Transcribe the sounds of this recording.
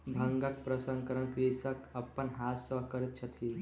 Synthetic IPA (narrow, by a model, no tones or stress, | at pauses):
bʱɐ̃ŋɡəkpɾəsə̃ŋkəɾənkɾisəkɐpːənɦaːt̪səɦkəɾit̪̚t͡ʃʰət̪ʰiː